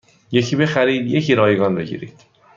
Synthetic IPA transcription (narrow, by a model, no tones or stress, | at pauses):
jecʰiːbe̞xæɾiːd̪jecʰiɾɒːjeɡɒːnbe̞ɟḭːɾḭːd̪̥